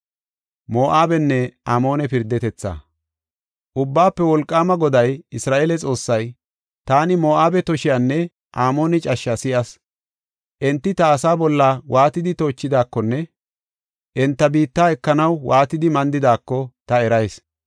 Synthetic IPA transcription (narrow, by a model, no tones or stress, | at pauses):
moːʔaːbɛnːɛaːmo̞ːnɛpɪɾd̪ɛt̪ɛt͡sːa̰ | ʔʊbːaːpːɛwɔlkʼːaːmɐɡɔd̪ɐjɪsɾaːʔeːlɛt͡sʼo̞ːsːɐj | t̪aːnɪmo̞ːʔaːbɛt̪ɔʃɪjanːɛ | ʔaːmo̞ːnɛt͡ʃʼɐʃːɐsɪʔɐs | ʔɛnt̪ːɪt̪ɐːsaːbɔlːaːwʔaːt̪ɪd̪ɪt̪o̞ːt͡ʃːɪd̪aːkːɔnːɛ | ʔɛnt̪ːɐbiːt̪ːaːɛkːɐnɐwwʔaːt̪ɪd̪ɪmɐnd̪ɪd̪aːkːɔt̪ɐɛɾɐjs